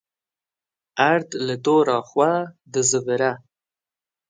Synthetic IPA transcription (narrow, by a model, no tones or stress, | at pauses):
aɾd̪lat̪oɾɑxwad̪əzəvɪɾa